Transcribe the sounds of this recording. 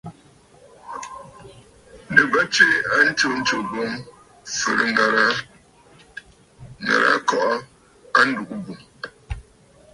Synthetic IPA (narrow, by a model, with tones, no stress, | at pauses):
nɨ˨ba˦t͡ʃe˦a˦n̩˦t͡ʃo˦n̩˦t͡ʃo˨bo˦m | fɨ̰˨ɾɨ̰˦ŋ˨ɾa˦ | ŋa̰˨ɾa̰˦kɔ˦ʔɔ˦ | a˦n̩˦du˨ʔu˦bu˨